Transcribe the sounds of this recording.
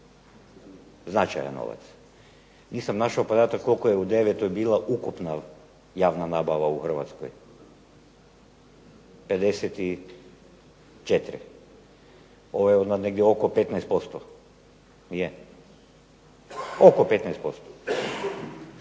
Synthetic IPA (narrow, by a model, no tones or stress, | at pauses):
znat͡ʃa̰ja̰nːo̰ʋa̰t̪s | niːsamnaʃaopod̪at̪akːolkojeud̪eʋet̪ojbiːlˠaʔukupna | jaːʋnanabaʋauxr̩ʋa̰t̪sko̰j | ped̪esɛt̪i | t͡ʃet̪ɾḭ | oʋojeod̪naneɡd̪jɛokopet̪nɛjst̪̚post̪o | nije | okopet̪nɛjst̪post̪o̥